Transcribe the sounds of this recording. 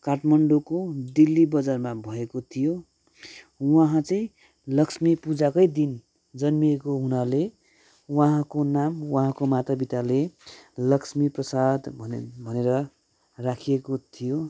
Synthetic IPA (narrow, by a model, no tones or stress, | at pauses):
kaʈmʌɳɖokod̪ilːibʌd͡zarmabʱʌekot̪ʰijo | waɦãt͡sʌĩ | lʌksmipud͡zakʌjd̪in | d͡zʌnmiekoɦunale | waɦãkonamwãɦãkomat̪abit̪alelʌksmiprʌsad̪ʱbʱʌneɾʌ | rakʰijekot̪ʰijo